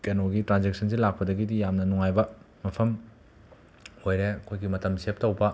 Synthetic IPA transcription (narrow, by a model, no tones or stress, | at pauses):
kenoɡitɾanzek̚sʰɐns̬ilak̚pɐdɐɡidijamnɐnuŋajbɐ | mɐpʰɐm | ojɾeɐkʰojɡimɐtɐmsep̚tɐwbɐ